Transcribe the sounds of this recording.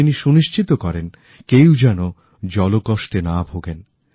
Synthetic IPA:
iniʃuniʃt͡ɕʰit̪okɔɾen | kewd͡ʑɛno | d͡ʑɔlokoʃʈenabʱoɡen

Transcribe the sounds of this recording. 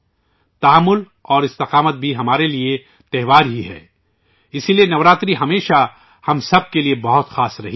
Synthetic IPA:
t̪ɐmːʊl | ɔːɾɪst̪ɪqaːmət̪̚bʱiɦɐmaːɾelie | t̪ɛɦʋaːɾɦiɦɛ̰ː | ɪsilienɐʋɾaːt̪ɾiɦɐmeːʃa | hɐmsɐb̚keliebɐɦʊt̪xaːsɾɐ̰ɦi

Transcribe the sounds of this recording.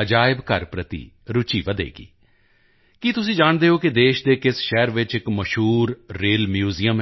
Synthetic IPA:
əd͡ʒaːɪbkəɾpɾət̪ḭː | ɾʊt͡ʃiːʋəd̪ḛːɡḭː | kit̪ʊs̬ĩːd͡ʒaːɳd̪eːoːkɪd̪eːʃd̪eːkɪsʃɛːɾʋɪt͡ʃɪkməʃɦuːɾːeːlmjuːziːəm

